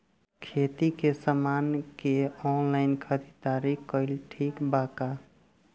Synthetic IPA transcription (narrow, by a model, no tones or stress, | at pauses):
kʰet̪ikesəmankeɔnlaɪnkʰəd̪it̪aɾikkəɪlʈʰikbaka